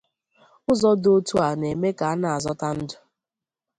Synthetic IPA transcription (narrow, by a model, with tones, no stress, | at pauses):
ʊ˦zɔ˦do˦tu˦a˨ne˨me˦ka˨a˦na˨a˨zɔ˦ta˦n̩˦dʊ˨